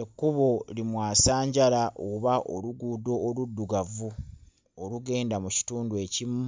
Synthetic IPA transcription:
ekːuβolimwaːsaːɲɟalaʔoβaʔo̰luɡuːdo̞ːludːuɡavu | oluɡe̞ːndamuci̥tuːndue̞cimu

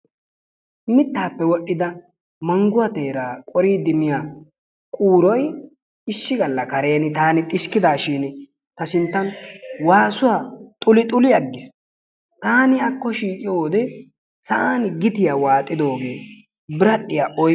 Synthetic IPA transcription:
mɪt̪ːaːpːɛwɔɗːɪd̪ɐ | mɐŋɡʊɐt̪e̞ːɾaːkʼɔɾiːd̪ɪmɪjaː | kʼuːɾɔj | ɪʃːɪɡɐlːɐkɐɾe̞ːnɪt̪aːnɪt̪ʼɪʃkɪd̪aːʃiːn | t̪ɐsɪnt̪ːɐnwaːsʊwat̪ʼʊlɪt̪ʼʊlɪɐɡːɪs | t̪aːnɪɐkːɔʃiːkʼɪjoːd̪ɛ | sɐʔaːnɡɪt̪ɪjawaːt̪ʼːɪd̪o̞ːɡe̞ː | bɪɾɐɗːɪjaʔɔj

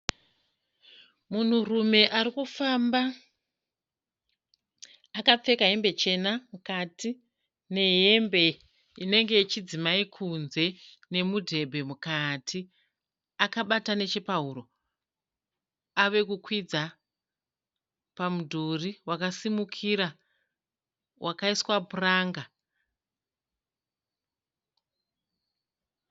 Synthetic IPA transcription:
mun̤urume̞ʔaɾikufamba | akap͡fe̞kaɦe̞mbe̞t͡ʃe̞namukati | ne̞ɦe̞mbe̞ | ine̞ŋɡe̞it͡ʃid͡zimaikʰunze̞ | ne̞mudʱe̞bʱe̞mukatʰi | akaɓatane̞t͡ʃepaɦuɾo̞ | aʋe̞kukwid͡za | pamudʱuriwakasimukʰiɾa | wʔakaiswaburaːŋɡa

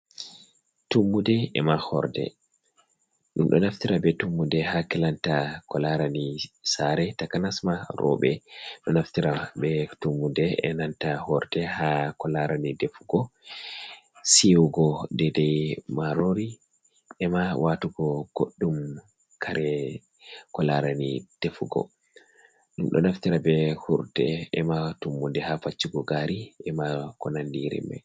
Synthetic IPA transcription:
tumːudɛɛ̰mahɔ̰ɾdɛ̰ | ɗumɗɔ̰naftiɾabɛtumːudɛhakɛlantakɔlaɾanisaɾɛtakanasmaɾɔ̰bɛɗɔnaftiɾabɛtumːudɛɛ̰nantahɔɾdɛhakɔlaɾanidefuɡɔ | siwuɡɔdɛdɛjmaɾoɾi | ɛmawatuɡɔɡ̥oɗːum | kʰaɾɛ | kɔlaɾanid̥efuɡɔ̰ | ɗumɗɔ̰naftiɾabɛhuɾtɛ̰ɛmatumːundɛhafat͡ʃːuɡɔɡaɾiʔɛmakɔnandiɾɛ̰mbɛ̰

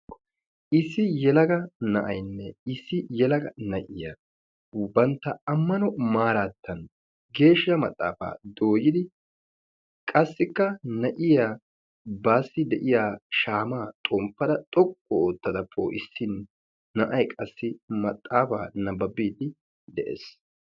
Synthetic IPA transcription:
ʔɪsːɪjɛlɐɡɐnɐʔɐjnːɛɪsːɪjɛlɐɡɐnɐʔɪja | bɐnt̪ːɐɐmːɐnɔmaːɾaːt̪ʰːɐn | ɡe̞ːʃːɐmɐt̪ʼːa̰ːfa̰ːd̪oːjɪd̪ɪ | kʼɐsːɪkːɐnɐʔɪjaː | baːsːɪd̪ɛʔɪjaːʃaːmaːt̪ʼɔmpːɐd̪ɐt̪ʼɔkʼːɔoːt̪ːɐd̪ɐpʰːo̰ʔɪsːɪn | nɐʔɐjkʼɐsːɪmɐt̪ʼːaːfa̰ːnɐbɐbiːd̪ɪ | d̪ɛʔḛːs

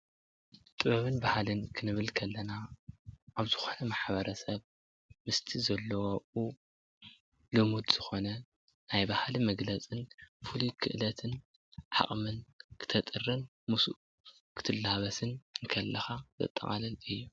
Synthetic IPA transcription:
t̪ʼɨβɐβɨnbahalɨnkʰɨnɨβɨlkʰɐlːɐna | ʔaβzɨxo̞nɐmaħbɐɾʔɐsɐβ | mɨst̪ʰizɐlːɐwoʔu | lɨmud̪z̥ɨxo̞nɐ | najbahlimɐɡlɐt͡sʼɨnfulukʰɨʔlɐt̪ʰɨn | ʕa̰χʼmɨnkʰɨ̥t̪ʰɐt̪ʼɨrːɨn | musuʔ | kʰɨ̥t̪ʰɨlːhaβɐsɨnɨnkʰɐlːɐxat̪ʰɐ̰t̪ʼːɐ̰χʼa̰lɐlɨjːu

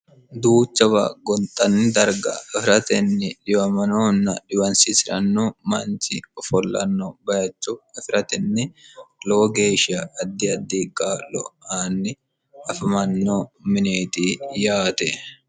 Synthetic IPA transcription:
d̪uːt͡ʃːɐbɐ̰ɡɔnt̪ʼɐnːɪd̪ɐɾɡɐ̰ɛfɪɾɐt̪ɛnːɪᶑɪjɐmɐnoːnːɐᶑɪwɐnsɪsɪɾɐnːɔmɐnt͡ʃɪɔfɔlːɐ̰nːɔbɐjɐt͡ʃːʊɛfɪɾɐt̪ɛnːɪloːɡe̞ːʃɪɐːd̪ːɪɐd̪ːiːkʼːaːlɔ̰ʔaːnːɪ | ɐfɪmɐnːomɪneːt̪iːjaːt̪ɛ

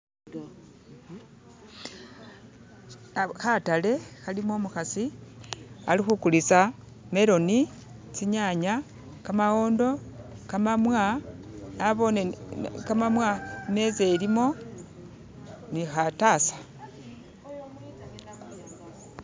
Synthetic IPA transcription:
xatale̞xalimo̞muxasi | a̰lixukulisa | me̞ɾo̞ni | t͡siɲaɲa | kamaɣo̞ːndo̞kamamwa | aβo̞nekamamwamezelimo̞ | nixatasḁ

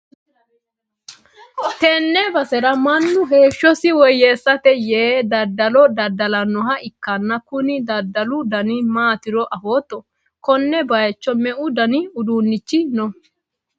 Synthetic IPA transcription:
t̪ɛnːɛbɐsɛɾɐmɐnːʊɦe̞ːʃːɔsɪwɔjːeːsːɐt̪ɛjeːd̪ɐd̪ːɐlɔd̪ɐd̪ɐlɐnːɔɦɐɪkːɐnːɐkʊnɪd̪ɐd̪ːɐlʊd̪ɐnɪmaːt̪ɪɾɔʔɐfoːt̪ːɔ | kɔnːɛbɐjt͡ʃːɔmɛʔʊd̪ɐnɪʊd̪uːnːɪt͡ʃːɪnɔ

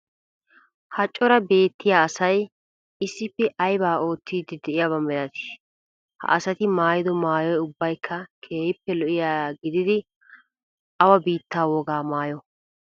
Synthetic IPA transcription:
hɐt͡ʃʼːɔɾɐbe̞ːt̪ːɪjaːsɐj | ɪsːɪpːɛʔɐjbaːʔo̞ːt̪ːiːd̪ɪd̪ɛʔɪjabɐmɛlɐt̪ɪ̥ | hɐ̰ʔɐsɐt̪ɪmaːjɪd̪ɔmaːjɔjʊbːɐjkʰːɐkʰeːjɪpːɛlɔʔɪjaːɡɪd̪ɪd̪ɪ | ɐwɐbiːt̪ːaːwɔɡaːmaːjɔ

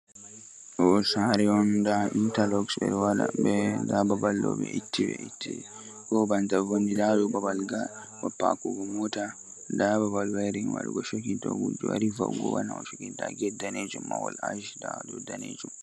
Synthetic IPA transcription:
ɔsaɾɛɔndaʔintalɔksbɛ̰ɾwada̰bɛdababalːɔbɛ̰ʔitːibɛ̰ʔitːi | ɡɔbantavɔnːidadɔbabalɡa | wapːa̰kuɡɔmɔta | dababalwaɾinwa̰ɗuɡɔʃɔkintɔɡud͡ʒːuaɾiva̰ɡɔ̰banaɔʃɔkintaɡɛdaned͡ʒumːawɔ̰laʒdadɔdanḛd͡ʒum

